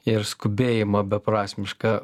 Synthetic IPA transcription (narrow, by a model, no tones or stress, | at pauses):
ɪɾskʊbʲeːjɪmɐbʲɛpɾɑːsʲmʲɪʃkɐ